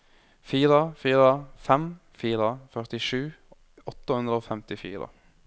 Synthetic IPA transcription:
fiːɾəfiːɾəfɛm | fiːɾəfœʁt̪ɪʂʉː | ɔt̪ːəhʉnd̪ɾəoːfɛmt̪ɪfḭːɾə̰

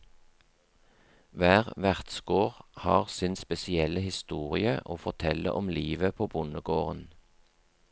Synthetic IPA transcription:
ʋæːʁʋæʁt̪sɡoːʁhɑːʁsɪnspɛsɪɛləhɪst̪uːʁɪəʔoːfɔʁt̪ʰɛlə̰ʔɔmliːʋəpʰoːbʊnəɡoːʁən

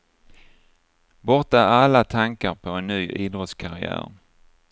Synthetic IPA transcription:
bɔɾʈ̪aalːat̪ʰaŋkaɾpʰɔɛnːyːʔɪd̪ɾɔt̪skʰaɾɪæ̰ːɾ

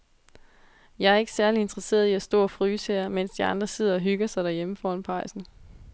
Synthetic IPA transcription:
jɑ̈ɪæɐe̝ɡ̥ə̥sæɐlie̝nd̥ʁɐse̝̰ːɐð̞ˠiæsd̥ɔ̰ːɒfʁyːsḛɐmen̰sd̥iɑ̈nd̥ʁɐse̝ð̰ˠɐɒ̽ɦyɡ̥ɐsɑ̈ɪɾ̥æɐjeməfɒːɒnpʰɑ̈ɪ̰sn̩

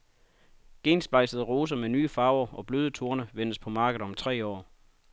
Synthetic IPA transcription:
ɡ̥e̝̰ːnsb̥ɑ̈ɪsəð̞ˠəʁo̝ːs̬ɐmenyːfɑ̈ːʊɐɒ̽b̥løːð̞ˠət͡sʰuɐnəʋen̰əspʰɒ̽mɑ̈ːɡ̥ð̩ˠɒ̽mt͡sʰʁɛ̰ːɒ̰ː

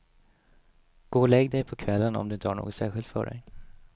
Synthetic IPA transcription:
ɡ̥oːlɛɡːd̪ɛjpʰɔkʰvɛlːənɔ̰md̪ɵɪnt̪əhaɳo̰ːɡɔt̪sæːɾɧɪlt̪fœ̰ɖɛ̰j

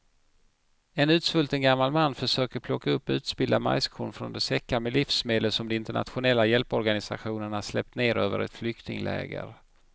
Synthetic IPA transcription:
ɛnʉ̟ːt̪svɵlt̪ənɡamːalmanːfœʂøːkəɾpʰlɔkːaɵpːʉ̟ːt̪sbɪld̪ama̰jskʰʊnfɾɔ̰nd̪ɛsɛkːamɛlifsmeːd̪əlsɔmd̪ɛɪnt̪əɳa̰t̪ɧʊnɛlːajɛlpɔɾɡanɪsa̰ɧuːnəɳaʂlɛp̚t̪neːɾøːvə̰ɾɛ̰t̪flʏkt̪nɪ̰ŋlʔɛ̰ːɡə̰ɾ

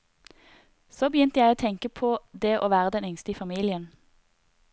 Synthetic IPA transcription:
soːbəjʏnt̪əjæɪoːt̪ʰɛŋkəpʰoːd̪eːʔoːʋæːʁəd̪ɛnʏŋst̪əiːfɑmiːlɪən

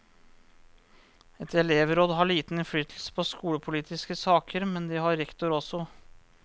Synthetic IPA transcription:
ɛt̪ɛleːʋɾoːd̪ɦɑɭiːt̪n̩ɪnfɽyːt̪ʰl̩sə̥pʰɔskuːɽəpʰʊliːt̪ɪskəsɑːkʰəɾmɛnd̪ɪhɑɾɛkt̪ʊɾɔsɔ

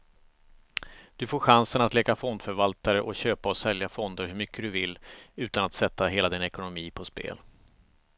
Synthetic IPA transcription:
d̪̥ɵfoːɾɧansənat̪lɛːɡafɔnd̪fœɾvalt̪aɾəʔɔɕøːpaɔsɛljafɔnd̪əɾɦɵɾmʏkʰːəd̪ɵvɪlːʉ̟ːt̪anat̪sɛt̪ʰːaɦeːlad̪ɪnɛkʊnʊmiːpʰɔspḛːl

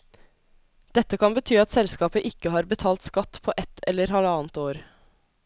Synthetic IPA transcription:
d̪̥ɛt̪ːəkʰɑnbət̪ʰyːɑt̪sɛlskɑːpəʔɪkəhɑːɾbət̪ʰɑːlt̪skɑt̪pʰoːʔɛt̪ʰɛlːəɾhɑlɑːnt̪oːɾ

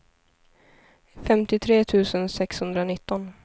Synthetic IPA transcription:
fɛmt̪ɪt̪ʰɾeːt̪ʰʉ̟ːsənsɛkshɵnd̪ɾanɪt̪ːɔn

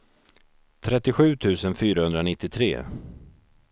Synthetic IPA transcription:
t̪ʰɾɛt̪ːɪɧʉ̟ːt̪ʰʉ̟ːsənfyːɾahɵnd̪ɾanɪt̪ːɪt̪ʰɾḛː

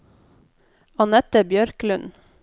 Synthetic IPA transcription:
ɑnɛt̪əbjœɾklʉn

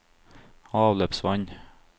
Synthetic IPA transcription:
ɑːʋløːpsʋɑɲ

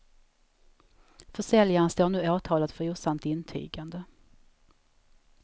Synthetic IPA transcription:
fœʂɛljanst̪oːnʉ̟ːaːt̪ʰɑːlat̪fœɾuːsamt̪ɪnt̪ʰy̰ːɡand̪ə

